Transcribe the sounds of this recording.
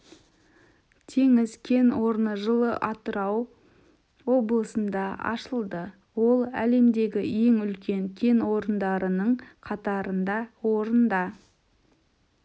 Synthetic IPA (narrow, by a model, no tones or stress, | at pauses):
t̪ʰeŋɪzkʲʰe̞nwo̞ɾnəʒəlˠəʔɑt̪əɾɑw | wo̞blˠəsənd̪ɑɑ̰ʃəlˠd̪ə | wo̞lˠæ̰le̞md̪e̞ɡʲɪje̞ŋʏlkʲʰe̞ŋkʲʰe̞nwo̞ɾənd̪ɑɾənəɴqʰɑt̪ɑɾənd̪ɑwo̞ɾənd̪ɑ